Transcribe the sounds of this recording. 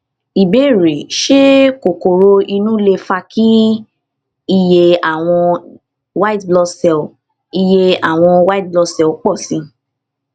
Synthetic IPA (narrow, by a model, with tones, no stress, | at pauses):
i˨be˦˨ɾe˨ʃe˦ko˨ko˨ɾo˧i˧nũ˦le˧fa˧kʰi˦ | i˦˨je˧a˨w̃ɔ̃˧ | wa˦i˦tblɔ˧sɛ˧˨ | i˧je˧a˨w̃ɔ̃˧wa˦t̚blɔ˧sɛ˨˦k͡pɔ˦˨sĩ˧˦